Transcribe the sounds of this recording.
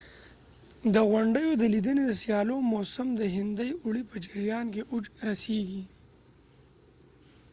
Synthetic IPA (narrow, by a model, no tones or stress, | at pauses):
d̪əɣwaɳɖəjod̪əlid̪əned̪əsijɑlomosamd̪əɦɪnd̪əjʊɽipəd͡ʒɪɾjɑːnk̬eʔʊd͡ʒɾaseɡi